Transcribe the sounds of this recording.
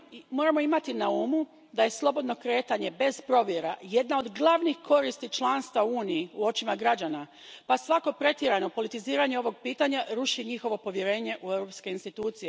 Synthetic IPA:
mo̞ɾamo̞imat̪inaumu | d̪aje̞slˠo̞bo̞d̪no̞kɾe̞ːt̪aɲe̞be̞z̥pɾo̞ʋje̞ɾaje̞d̪nao̞d̪ɡlˠaʋnixkʰo̞ɾist̪it͡ʃlˠaːnst̪ʋauːnijiuo̞t͡ʃimaɡɾad͡ʑana | pasʋako̞pɾe̞t̪jeɾano̞po̞lit̪iziːɾaɲeo̞ʋo̞ɡ̚piːt̪aɲaɾuʃiɲixo̞ʋo̞po̞ʋje̞ɾe̞ːɲe̞ʔue̞wɾo̞pske̞inst̪it̪uːt̪sije̞

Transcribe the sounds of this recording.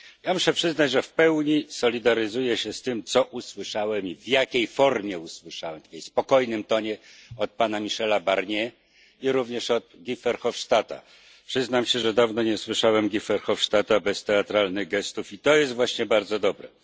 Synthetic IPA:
jamuʂɛpʂɘznad͡ʑʐɛfpɛwɲisɔlʲid̪aɾɘzujɛɕɛst̪ɘmt̪sɔʔuswɘʂawɛmivjakʲejfɔɾmʲjɛuswɘʂawɛmt̪kʲɛjspɔkɔjnɘmt̪ɔɲɛɔt̪̚panamʲiʂɛlabaɾɲɛ | iɾuvɲɛʂɔd̪ɡʲifɛɾxɔfʂt̪at̪a̰ | pʂɘznamɕɛʐɛd̪avnɔɲɛswɘʂawɛmɡʲifɛɾxɔfʂt̪at̪abɛst̪ɛat̪ɾalnɘɣɡɛst̪ufit̪ɔjɛst̪vwaɕɲɛbaɾd̪zɔd̪ɔbɾɛ̰

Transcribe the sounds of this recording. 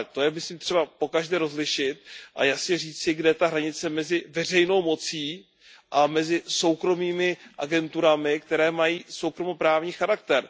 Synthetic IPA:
t̪o̞jɛmɪsliːmt̪r̝ɛbapo̞kaʒdɛːɾo̞zlɪʃɪt̪̚ʔa̰jasɲɛriːt͡sɪɡdɛt̪aɦɾaɲɪt͡sɛmɛzɪvɛr̝ɛjno̞wmo̞t͡siː | ʔamɛzɪso̞wkɾo̞miːmɪʔaɡɛnt̪uɾamɪk̚t̪ɛɾɛːmajiːsowkɾomo̞pɾaːvɲiːxaɾak̚t̪ɛɾ

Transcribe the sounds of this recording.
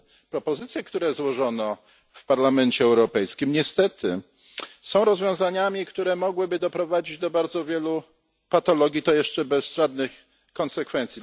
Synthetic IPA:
pɾɔpɔzɘt̪sʲjɛkt̪uɾɛzwɔʐɔnɔ | fpaɾlamɛnt͡ɕɛːwɾɔpɛjskʲimɲɛst̪ɛt̪ɘ̰ | sɔ̃w̃ɾɔzvʲjɔ̃w̃zaɲamʲikt̪uɾɛmɔɡwɘbɘd̪ɔpɾɔvad͡ʑid͡ʑd̪ɔbaɾd̪zɔvʲjɛlu | pat̪ɔlɔɡʲjit̪ɔjɛʂt͡ʂɛbɛzʐad̪̚nɘx | kɔnsɛkfɛnt̪sʲi

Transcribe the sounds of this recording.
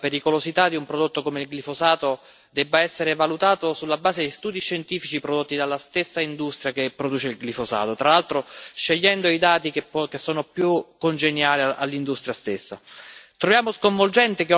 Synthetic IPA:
peɾikolozit̪ad̪iumpɾod̪ot̪ːokomeilɡlifozaːt̪o | d̪ɛbːaɛsːeɾevalut̪aːt̪osulːabaːzed̪ejst̪uːd̪iʃːent̪iːfit͡ʃipɾod̪ot̪ːid̪alːast̪esːaind̪ust̪ɾʲjakepːɾod̪uːt͡ʃeilɡlifosa̰ːt̪ot̪ɾalalt̪ɾoʃːeʎːɛnd̪oid̪aːt̪ikepɔkesːɔːnopjukːond͡ʒenjaːlia̰lːind̪ust̪ɾjast̪esːa̰t̪ɾovjaːmoskoɱvold͡ʒɛnt̪ek

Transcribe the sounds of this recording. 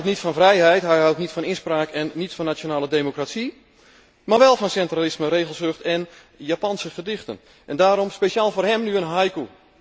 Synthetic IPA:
wtnitfɔnvrɛjɦɛjtɦɛjɦawtnitfɔnɪnspraːkɛnːitfɔnːat͡ʃjonaːlədeːmokratsi | maːrʋɛlˠfɔnsɛntralɪsməreːɣəlˠsøxtɛn | japɑnsəxədɪxtə̰n | ʔɛndaːɾɔmspesaːlˠvoːrɦɛmnyənɦajku

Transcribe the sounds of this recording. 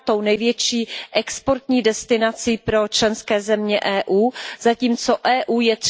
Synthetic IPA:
t̪o̞wnɛjvjɛt͡ʃiːʔɛkspo̞ɾt̪ɲiːdɛst̪ɪnat͡siːpɾo̞t͡ʃlɛnskɛːzɛmɲɛʔɛːʔuːzaciːmt͡so̞ʔɛːʔuːjɛt̪

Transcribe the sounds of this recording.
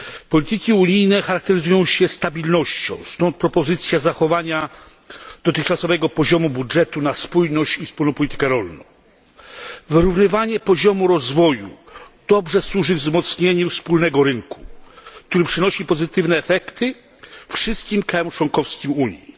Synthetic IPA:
pɔlʲit̪ɘkʲiuɲijnɛxaɾak̚t̪ɛɾɘzujɔ̃w̃ɕɛst̪abʲilnɔɕt͡ɕɔ̰̃w̃st̪ɔnt̪̚pɾɔpɔzɘt̪sʲjazaxɔvaɲa | d̪̥ɔt̪ɘxt͡ʂasɔvɛɡɔpɔʑɔmubudʐɛt̪unaspujnɔɕt͡ɕifspulnɔ̃pɔlʲit̪ɘ̥kɛɾɔlnɔ̰̃w̃ | vɘɾuvnɘvaɲɛpɔʑɔmuɾɔzvɔjṵd̪̥ɔbʐɛswuʐɘvzmɔt̪sɲeɲufspulnɛɡɔɾɘŋku̥k̚t̪uɾɘpʂɘnɔɕipɔzɘt̪ɘvnɛːfɛkt̪ɘ | fʂɘst̪̚kʲimkɾajɔmt͡ʂwɔŋkɔfskʲimuɲji

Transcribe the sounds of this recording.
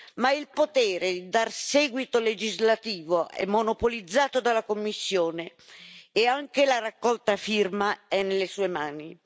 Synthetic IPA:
mailpot̪ɛːɾed̪id̪arsɛːɡwit̪oled͡ʒizlat̪iːvoʔɛ̰mːonopolid̪zːaːt̪od̪alakomːisːjoːneː | aŋk̟elarakːɔlt̪afirmaɛnːelːesuːemaːni

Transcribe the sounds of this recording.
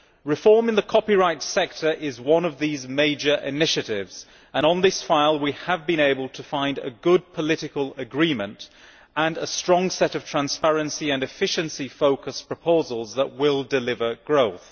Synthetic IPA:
ɹɨfɔɹmɨ̃nðəkʰɒpiɹaɪtsɛk̚tʰə˞ʔɪzwʌ̃nʌvðizmeɪd͡ʒə˞ʔɪ̰nɪʃɨɾɪvz̥ | ə̃ñə̃nðɪsfaɪlˠwiəvbɨ̃ñeɪbəlˠtʰəfãɪ̃ndə̰ɡʊd̚pʰəlɪɾɪkəlˠəɡɹĩmə̃nt | ə̃nəstɹ̥ɔ̃ŋsɛɾʌv̥tʰɹ̥æ̃nspɛɹɨ̃nsiɨ̃nɨfɪʃɨ̃nsifoʊkəspʰɹ̥əpʰoʊzəlˠzðəʔwɪlˠdɪlɪvə˞ɡ̥ɹoʊθ

